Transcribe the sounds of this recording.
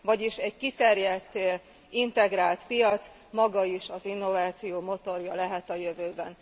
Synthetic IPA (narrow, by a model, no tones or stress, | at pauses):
vɒɟiʃɛɟkit̪ɛrjɛt̪ː | int̪ɛɡraːlt̪pijɒt̪s | mɒɡɒiʃɒzinːo̞vaːt̪sijoːmo̞t̪o̞rjɒlɛɦɛt̪ɒjøvøːbɛn